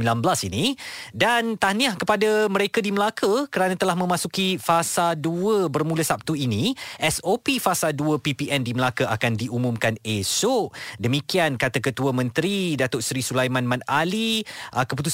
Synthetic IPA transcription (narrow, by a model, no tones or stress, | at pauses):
ilanbəlasinidant̪aniahkəpadaməɾekadiməlakəkəɾanãt̪əlahmə̃mãsukifasalduəbərmuləsap̚t̪uinĩʔɛsopifasalduəpipiʔɛndiməlakəʔakandiumumkanesoʔdəmikiankat̪akət̪uamə̃nt̪ɾidat̪oʔsɾisulajmãnmãnaliʔəkəput̪̬u